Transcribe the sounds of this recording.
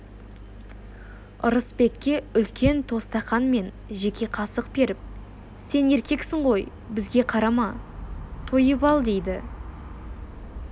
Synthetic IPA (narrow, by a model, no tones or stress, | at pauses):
ʊɾəspe̞kʲːe̞ʏlkʲʰe̞nt̪ʰo̞st̪ɑχɑnme̞n | ʒe̞kʲe̞qʰɑsəqbe̞ɾɪp̚ | se̞ne̞ɾkʲe̞ksɪɴʁo̞j | bɪzɡʲe̞qʰɑɾɑmɑ | t̪ʰojəpɑlˠd̪e̞jd̪ɪ